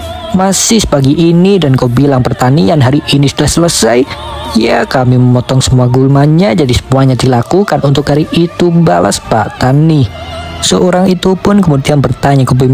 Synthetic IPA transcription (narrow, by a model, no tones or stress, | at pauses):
masɪhsə̥paɡiʔːnidankowbilaŋpərt̪anianɦaɾiʔinisudahsələsajjakamiməmɔt̪ɔŋsəmuaɡulmaɲad͡ʒadisə̥muaɲad̪ilakukanunt̪ʊk̚haɾiʔit̪ubala̰spa̰ʔt̪anisəoɾaŋit̪upʊnkəmudianbərt̪aɲakəbum